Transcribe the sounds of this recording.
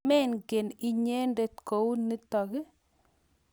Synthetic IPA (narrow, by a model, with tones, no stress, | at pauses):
mɛ˦nɡe˨ni˦ɲe˦nde˨t̚ko˨wni˦tɔ˨ɡɪ˦